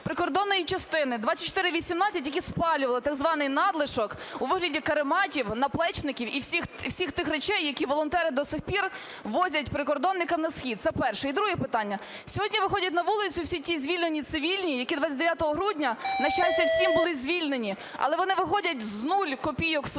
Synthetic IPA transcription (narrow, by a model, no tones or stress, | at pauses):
pɾɪkɔrd̪ɔnːɔjit͡ʃɐst̪ɪnɪd̪ʋɑt͡sʲɐt̚ʲt͡ʃːɔ̥t̪ɪɾɪʋʲisʲimnɑt͡sʲːɐt̬ʲjɐkʲispɑlʲʊʋɐlˠɪt̪ɑɡzʋɑnɪjnɑd̪lˠɪʃɔk | uʋɪɦlʲɐdʲikɐɾɪmɑtʲiwnɐplˠɛt͡ʃnɪkʲiwiwsʲixwsʲixt̪ɪxɾet͡ʃɛjːɐkʲiʋɔlˠɔnt̪ɛɾɪd̪ɔsɪxpʲir | ʋɔzʲɐt̚ʲpɾɪkɔrd̪ɔnːɪkɐmnɐsxʲid̪̚t̪sɛpɛrʃɛid̪ɾuɦɛpɪt̪ɑnʲːɐ | sʲɔɦɔdʲnʲiʋɪxɔdʲɐt̬̚ʲnɐʋulˠɪt͡sʲʊwsʲitʲizʲʋʲilʲne̞nʲit̪sɪʋʲilʲnʲijɐkʲid̪ʋɑt͡sʲːɐd̪eʋjat̪ɔɦɔɦɾudʲnʲɐnɐʃajɪsʲɐwsʲimbʊlˠɪzʲʋʲilʲne̞nʲi | ɐ̰lˠɛʋɔnɪʋɪxɔdʲɐtʲznulʲkɔpʲijɔks